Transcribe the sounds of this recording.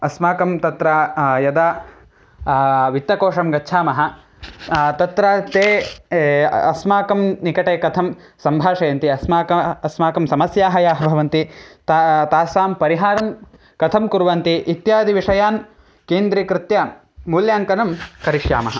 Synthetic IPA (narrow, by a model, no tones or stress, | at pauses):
ɐsmaːkɐmt̪ɐt̪ɾajɐd̪aː | ʋit̪ːɐkoːʂɐmɡɐtːt͡ʃʰaːmɐɦɐ | t̪ɐt̪ɾat̪eː | ɐ̰smaːkɐmnikɐʈeːkɐt̪ʰɐm | sɐmbʱaːʂɐjɐnt̪iɐsmaːkɐɐsmaːkɐmsɐmɐsjaːɦɐjaːɦɐbʱɐʋɐnt̪it̪at̪aːsaːmpɐɾiɦaːɾɐm | kɐt̪ʰɐmkuɾʋɐnt̪iʔit̪jaːd̪ʱiʋiʂɐjaːn | keːnd̪ɾiːkɾɪt̪jɐ | muːljaːŋkɐnɐmkɐɾiʂja̰ːmɐɦɐ